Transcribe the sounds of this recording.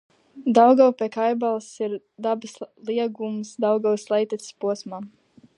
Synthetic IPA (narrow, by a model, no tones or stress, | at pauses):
d̪awɡawpʲɛkajbalˠsiɾ | d̪abɨslˠiɛɡumsd̪awɡawslˠɛjt̪ɛt̪spuɔsmaː